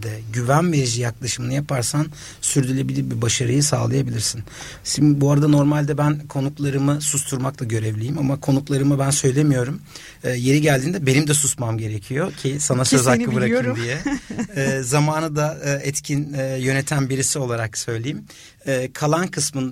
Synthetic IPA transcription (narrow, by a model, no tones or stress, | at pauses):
d̪ɛɟyvænmɛɾʒijaklˠaʃɯmɯnɯjapʰaɾsan | syɾd̪ylʲe̞bilʲiɾbibaʃaɾɯjɯsa̰ːlˠajabilʲiɾsin | simbuaɾad̪ano̞ɾmalʲd̪ɛbænkʰo̞nuklˠaɾɯmɯsust̪ʰuɾmaklˠaɟø̞ɾɛvlʲejimamakʰo̞nuklˠaɾɯmɯbænsø̞jlʲe̞mijo̞ɾum | ɛje̞ɾiɟælʲd̪iːnd̪ɛbe̞nimd̪ɛsusmamɟe̞ɾecʰijo̞cʰisanasø̞zzakːɯbɯɾakɯd̪ijɛː | zamaːnɯd̪aɛt̪cʰinɛːjø̞net̪ʰænbiɾisio̞lˠaɾaksø̞jlʲejim | ɛːkʰalˠankʰɯsmɯn